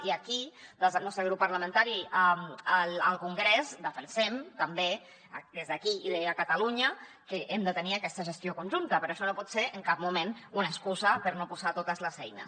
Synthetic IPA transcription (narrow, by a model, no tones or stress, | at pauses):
iəkid̪ezðəlˠnɔst̪ɾəɣ̞ɾupːəɾləmə̃nt̪aɾiəələlˠkuŋɡɾezd̪əfənsɛmt̪əmbe | d̪ezðəkiiðeəkət̪əluɲə | kəʔemd̪ət̪əniəkɛst̪əʒəst̪jokunʒunt̪əpəɾoəʃɔnopɔt̪seɾəŋkap̚mumenunəskuzəpəɾnopuzat̪ot̪əzləzɛjnə̰s